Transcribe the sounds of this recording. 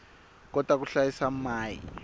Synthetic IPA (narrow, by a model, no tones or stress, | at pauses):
k̬ɔd̥ʱwak̬uɬajisamaːjḭ